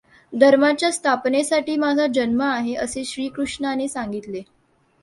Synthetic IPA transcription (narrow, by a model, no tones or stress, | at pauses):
d̪ʱəɾmat͡ɕjast̪ʰapnesaʈiːmad͡zʱad͡ʑənməaɦeʔəseːɕɾiːkɾuʂɳanesaŋɡit̪le